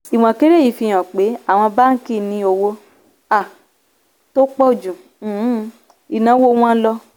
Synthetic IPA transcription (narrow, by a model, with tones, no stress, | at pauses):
i˨w̃ɔ̃˨ke˦ɾe˦ji˨fi˧j̃ã˨k͡pe˨˦a˦˨w̃ɔ̃˧ba˦n̩˦ki˦˨nĩ˧˦o˧wo˧ | a˦˨ | to˦k͡pɔ˦˨d͡ʒũ˨˦ | i˨nã˨˦wo˦w̃ɔ̃˦n̩˦lɔ˧